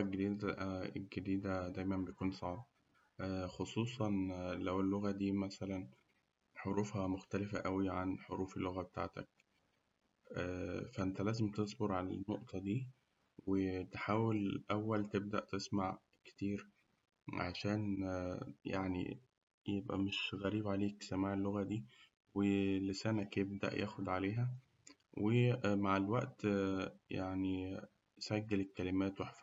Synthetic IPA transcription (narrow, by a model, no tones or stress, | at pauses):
æɡed̪iːd̪æḛlɡed̪iːd̪æd̪æjmæmbej̪kuːnsˤɑʕb | xosˤuːsˤɑnlæwelːoɣæd̪iːmæsælæn | ħoɾuːfhæmoxt̪ælefæʔæwiʕanħoɾuːfelːoɣæbet̪a̰ːʕt̪æ̰k | ʔːfæʔent̪ælæːzemt̪esˤboɾʕalænːoʔt̪ʰɑd̪iː | wet̪ħaːwelʔæwːælt̪eb̚d̪æ̰ʔt̪esmaʕ | ke̥t̪iːɾ | ʕa̰ʃæːn | jaʕnḭ | jebʔæ̰meʃɣæɾiːbʕaleːksæmaːʕelːoɣæd̪iː | welesæːnækjebd̪æ̰ʔjʔæ̰ːxod̪ʕaleːɦæ | wemaʕelwæʔt̪jaʕni | sæɡːelekːælemæːt̪weħf